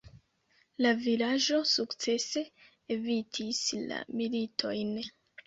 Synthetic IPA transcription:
lavilaʒo̞sukt͡se̞se̞ | evitʰisla̰militʰo̞jn

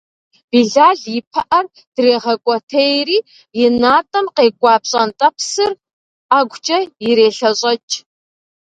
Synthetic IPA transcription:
b̥iːɮaːɮjɪpʰɐʔɐr | d̥reːʁɐkʷʼɔtʰejriː | jɪnaːtʼɐmqeːkʷʼɑːpɕʼɐntʼɐpʰsɨr | aːɡʷt͡ʃʼɐjɪɾeːɬɐɕʼɐt͡ʃʼ

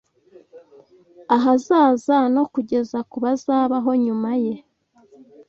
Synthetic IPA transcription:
aɦazaːzano̞kuɟe̞zakuβazaːβaɦo̞ɲumaje̞

